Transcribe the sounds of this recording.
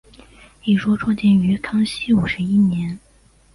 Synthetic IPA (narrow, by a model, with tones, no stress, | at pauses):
i˥˩ʈ͡ʂwɔ˥ʈ͡ʂʰwɑ˥ŋt͡ɕjɛ˥ny˧˥kʰɑ˥ŋɕi˥u˨˩ʂɻ̩˧˥i˥njɛ˧˥n